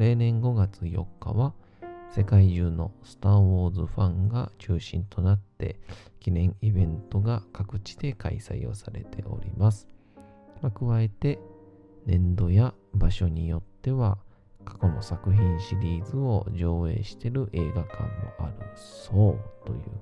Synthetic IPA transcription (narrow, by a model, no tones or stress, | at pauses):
e̞ːnẽ̞ŋɡo̞ɡat͡sɨjo̞̰kːa̰βa | se̞kaiʑɨːno̞sɨ̥t̪aːɸo̞ːzɨɸãŋɡat͡ɕɨːɕĩnt̪o̞nat̪ːe̞̰kʲinẽ̞ŋ̃ibẽ̞nt̪o̞ɡakakɯ̟t͡ɕi̥d̪e̞kʰa̰isa̰io̞̰saɾe̞t̪ʰe̞̰ʔo̞̰ɾʲḭmasɨ̥ | makɯ̟βae̞t̪e̞ | nẽ̞nd̪o̞jabaɕo̞ɲ̟ijo̞t̪ːe̞βa | kḁko̞no̞sakɯ̟çĩɰ̃ɕiɾʲiːzɨo̞ʑo̞ːe̞̰ːɕi̥t̪e̞ɾɯ̟ʔe̞ːɡakã̰mːo̞̰ʔaɾɯ̟̰so̞ːt̪o̞̰jɯ̟̰ː